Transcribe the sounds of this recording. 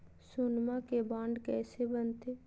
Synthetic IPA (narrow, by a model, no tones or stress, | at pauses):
sʊnmakebãːɳɖkɛːsebənt̪eː